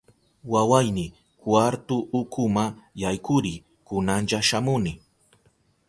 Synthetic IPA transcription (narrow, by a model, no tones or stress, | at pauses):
wawajnɪ | kwaɾt̪ʊʔʊkʰʊmajajkʊɾɪ | kʊnanʎaʃamʊnɪ